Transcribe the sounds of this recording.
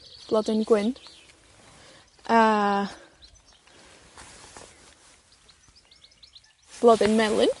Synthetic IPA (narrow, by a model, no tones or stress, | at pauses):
b̥lˠɔdɪnɡwɪn | ʔə | b̥lˠɔðɪnmɛlˠɪn